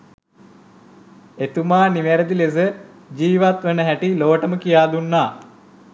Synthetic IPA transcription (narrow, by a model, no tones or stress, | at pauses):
et̪umaːnimeɾəd̪iles̬ə | d͡ʒiːʋat̪ʋənəɦæʈiloːʈəməkijaːd̪unːaː